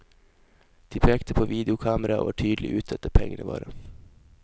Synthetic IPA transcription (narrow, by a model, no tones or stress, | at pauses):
d̪̥iːpʰeːkt̪əpʰoːʋiːd̪ɛʊkʰɑːməɾɑʔo̰ːæʈʰyːd̪l̩ɪ̰ʔʉːt̪̚d̪ɛt̪ːəpʰɛŋːənəʋɑ̰ːɾə